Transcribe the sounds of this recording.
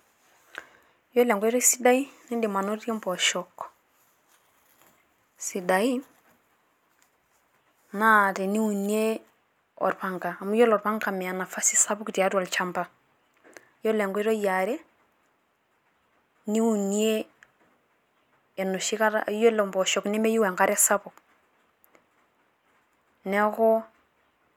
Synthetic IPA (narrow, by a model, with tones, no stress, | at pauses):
jo˦lɛ˨ŋɡɔ˦i˦ɾɔ˦si˦da˦i˦ni˦di˨ma˨no˦to˦mpɔ˨ʃɔk | si˨da˨i˦ | na˦te˨ni˦u˨nie˦ | ɔ̰˨ɾpa˦ŋkaː˨mu˦jo˦lɔ˨ɾpa˦ŋka˨mɛ˨a˨na˨fa˦si˦sa˦bu˦kti˨a˦tua˨lt͡ʃa˦mpa˨ | jɔ˦lɛ˨ŋɡɔ˦i˦ɾo˦ja˨ɾe˦ | ni˦u˨nie˦ | ɛ˨no˨ʃi˦ka˦ɾjo˦lo˨mbɔ˨ʃɔ˨knɛ˦mɛ˦ju˦wɛ˨ŋka˦ɾɛ˦sa˦pʊ˨k | nɛ˦kɔ˦